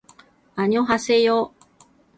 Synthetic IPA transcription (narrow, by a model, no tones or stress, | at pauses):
aɲ̟ioɦasejoː